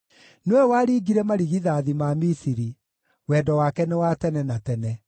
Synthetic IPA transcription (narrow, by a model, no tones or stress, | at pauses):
neɛwaːɾiːɡiɾɛmaɾiɣiðaːðimamisiɾi | wɛdɔwakɛnewatɛnɛnatɛnɛ